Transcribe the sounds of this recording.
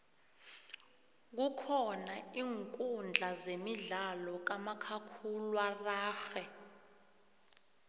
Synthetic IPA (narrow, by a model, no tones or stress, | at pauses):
k̬ukʰɔnaiːŋkʼund͡ɮʱazemiɮalɔk̬amakʰakʰulwaraːxɛ